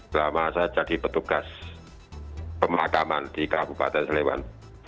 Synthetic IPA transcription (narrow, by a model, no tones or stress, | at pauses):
lamasajad͡ʒad̥ipət̪uɡ̥as | pəmakama̰nd̥ikab̥upa̰t̪ɛnsəlewa̰n